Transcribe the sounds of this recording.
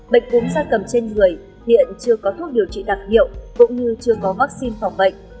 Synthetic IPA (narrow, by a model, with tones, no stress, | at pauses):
ɓə̰˧˨jŋ̟kʊ̰˨˦ŋ͡mzaː˧kə˨˩mt͡ɕe˧nŋɨ˨˩əj | hḭ˧˨ənt͡ɕɨ˧əkɔ˨˦t̪ʰu˦˥t̚ɗi˨˩əwt͡ɕḭ˧˨ɗaː˨˩k̚hḭ˧˨əwkʊ̰˧˥ŋ͡mɲɨ˧t͡ɕɨ˧əkɔ˨˦vaː˦˥k̚si˧nfa˨˩wŋ͡mɓə̰˧˨jŋ̟